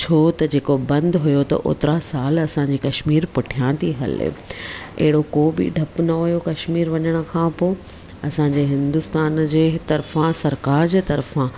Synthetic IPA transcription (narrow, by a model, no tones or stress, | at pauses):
t͡ɕʰoːt̪ɐd͡ʑeːkobɐ̃nd̪ɦʊjot̪ɐ̰ʔo̰ːt̪ɾasaːlɐsãɲd͡ʑiːkɐʃmiːɾpʊʈʰijãːt̪iɦɐ̰l̰ḛɦɪɽokoːbɪ̰ɖʱɐpnɐɦʊjokɐʃmiːɾʋɐɲəɽ̃ə̆kʰãːpoː | ɐsãɲd͡ʑeːɦɪ̃nd̪ʊst̪aːnd͡ʑeːt̪ɐɾfãsɐɾkaːɾd͡ʑeːt̪ɐɾfã